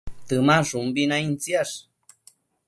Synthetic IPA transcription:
t̪ɨmaʐumbinaint͡sjaʂ

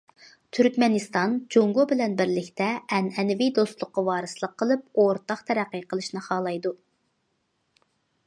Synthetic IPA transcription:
t̪ʰyɾkʲmɛnɨst̪ɑnd͡ʒoŋɡobɪlɛnbɪɾlɪkʲt̪ɛɛnɛnɪvid̪ost̪lˠʊqːɑwɑːɾɨslˠəqʰːəlˠɨp̚oɾt̪ɑχt̪ʰɛɾæqːijqʰəlˠɨʃnɨχɑːlˠɑjd̪u

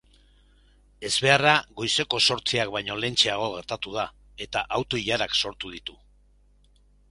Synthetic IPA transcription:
e̞zβe̞araɣo̞jse̞ko̞so̞ɾt͡siakβajɲo̞le̞nt͡ʃe̞aɣ̞o̞ɣ̞e̞ɾt̪at̪uð̞a | e̞t̪aʔawt̪o̞iʎaɾakso̞ɾt̪uð̞it̪u

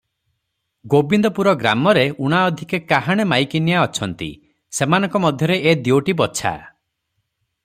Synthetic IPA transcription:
ɡobind̪ɔpuɾɔɡɾamɔɾeuɽ̃aɔd̪ʱikekaɦaɽ̃emajkinjaɔt͡ʃʰɔnt̪ḭ | semanɔ̃ŋkɔmɔd̪ʱjɔɾeʔed̪ioʈibɔt͡ʃʰa̰

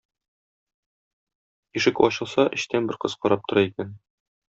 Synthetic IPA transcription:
iʃɘkɒɕɤ̆lˠsɑʔɘ̆ɕt̪ænbɘ̆ɾqɤzqɒɾɑp̚t̪ŏɾɑikæn

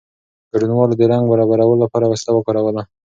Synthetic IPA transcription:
ɡ̥aɽunwɑlod̪əɾaŋɡbaɾɑbaɾawəlolapɑɾawaslawəkɑɾawəla

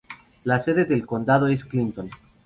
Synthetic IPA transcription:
lase̞ðe̞ðelko̞nd̪að̞oe̞sklint̪o̞n

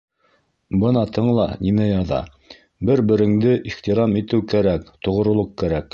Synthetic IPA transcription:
bɤnɑt̪ʰɤɴlˠɑninæjɑðɑ̰ | bɘɾbɘ̆ɾɘ̆ŋd̪ɘʔiχt̪iɾɑmit̪ɘwkæɾækt̪ŏʁ̆ɾŏlˠoqkæɾæk

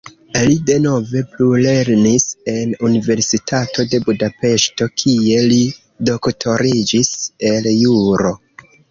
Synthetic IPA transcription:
lide̞no̞ve̞plule̞ɾnise̞nunive̞ɾsitʰatʰo̞de̞budape̞ʃto̞kʰie̞li | do̞ktʰo̞ɾid͡ʒise̞ljuɾo̞

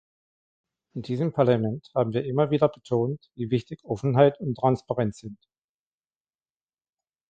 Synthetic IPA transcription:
ʔɪndiːzəmpʰaɐlamɛnthaːbm̩viːɐʔɪmɐviːdɐbətʰoːntviːvɪçtɪçʔɔfn̩ɦaɪtʊntːʁ̥anspaʁɛnt͡sz̥ɪnt

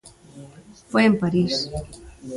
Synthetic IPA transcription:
fojempaɾis

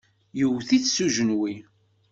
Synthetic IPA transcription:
jəwθiθsuʒənwi

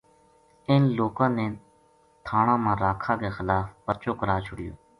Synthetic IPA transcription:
ɪnloːkãːneː | t̪ʰaːɳãːmãːɾaːkʰãːɡeːxəlaːfpət͡ʃoːkəɾaːt͡ʃʰʊɽɪjo̰ː

